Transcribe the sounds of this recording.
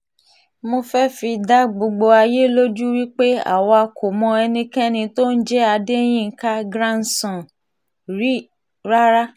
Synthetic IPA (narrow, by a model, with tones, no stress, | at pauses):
mo˧fɛ˦fi˧da˦ɡ͡bo˧ɡ͡bo˧a˧je˦lo˦d͡ʒu˦ɾi˦k͡pe˦a̰˨wɔ˧a˧kʰo˨mɔ̃˧ɛ˧nĩ˧kɛ̃˦nĩ˧to˦n̩˦d͡ʒɛ˦a˧de˦j̃ĩ˦ŋ̩˦ka˦ɡɾã˦n̩˨sɔ̃˨ | ɾi˦ | ɾa˦ɾa˦